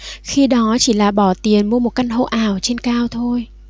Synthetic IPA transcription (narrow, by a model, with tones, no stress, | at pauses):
xi˧ɗɔ˨˦t͡ɕi˧˩laː˨˩ɓɔ˧˩t̪i˨˩ənmu˧əmo˨˩t̚ka˧ŋɦə̰˧ʔaː˨˩wt͡ɕe˧nkaː˧wt̪ʰo˧j